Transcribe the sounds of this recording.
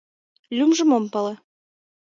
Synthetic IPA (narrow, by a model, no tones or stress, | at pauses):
lʲumʒɤ̆mompɤ̆lɤ̆